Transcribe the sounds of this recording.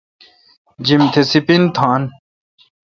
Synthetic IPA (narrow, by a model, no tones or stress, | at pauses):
d͡ʑimt̪ʰesipint̪ʰaːn